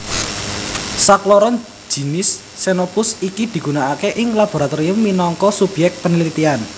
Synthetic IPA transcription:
saklɔɾɔn̥ | d͡ʒ̥i̤nɪsː | enopʊsikid̪̥i̤ɡ̥unaakeʔɪŋlab̥o̤ɾat̪oɾiəmːinɔŋkɔsub̥jɛk̚t̪̚pənəlit̪ian

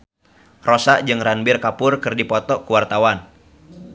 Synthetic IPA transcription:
rosaʔd͡ʒɨŋɾanbɪrkapʊrkɨrdipɔt̪ɔkuwart̪awan

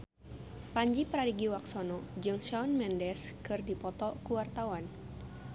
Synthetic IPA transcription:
paɲd͡ʒipɾadiɡiwaksɔnɔd͡ʒɨŋʃaɔnmɛndɛskɨrdipɔt̪ɔkuwart̪awan

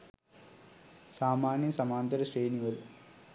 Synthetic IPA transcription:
saːmaːnjɐsɐmaːnt̪ɐɾɐsreːniɡɐl

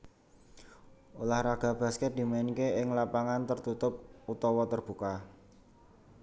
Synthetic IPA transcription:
ulahɾaɡ̥a̤b̥a̤skɛt̪̚d̪̥i̤maɪnkeɪŋlapaŋant̪ərt̪ut̪ʊp̚ut̪ɔwɔt̪ərb̥ṳka

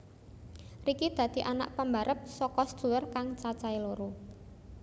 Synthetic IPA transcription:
rikid̪̥ä̤d̪̥i̤ʔana̰ʔpəmba̤ɾʔəp̚sɔkɔsd̪̥ṳlərkaŋt͡ʃat͡ʃailoɾo

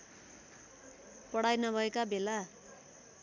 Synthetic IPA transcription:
pʌɽ̤ajnʌbʱʌekabʱela

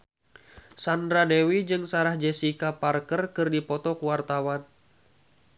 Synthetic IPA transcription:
sandɾadɛwid͡ʒɨŋsaɾahd͡ʒɛsikaparkərkɨrdipɔt̪ɔkuwart̪awan

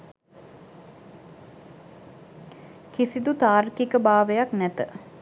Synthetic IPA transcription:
kisid̪ut̪aːrkikəbaːʋəjaknɛt̪ə

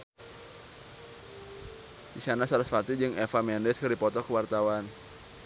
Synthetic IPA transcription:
disanasaɾasfart̪id͡ʒɨŋɛfamɛndɛskərdipɔt̪ɔkəwart̪awan

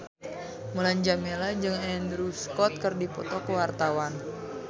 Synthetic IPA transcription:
məlaɲd͡ʒamelad͡ʒɨŋɛndɾuskɔt̪̚kɨrdipɔt̪ɔkəwart̪awan

